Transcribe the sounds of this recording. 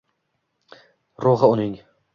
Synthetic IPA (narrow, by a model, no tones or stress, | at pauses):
ɾoʁɨʊnɪŋ